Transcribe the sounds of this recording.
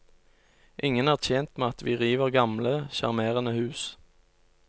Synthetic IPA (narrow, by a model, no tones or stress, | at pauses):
ʔɪŋənæːʁt̪ʰjeːnt̪meːɑt̪ʋiːʁiːʋəʁɡɑmləʃɑ̰ʁmeːʁənəhʉːs